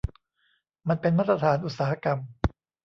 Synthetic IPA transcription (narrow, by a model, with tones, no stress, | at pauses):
ma˧npe˧nmaː˥˩t̪ɾa˧t̪ʰaː˩˦nʔu˨˩t̪̚saː˦ha˧˥ka˧m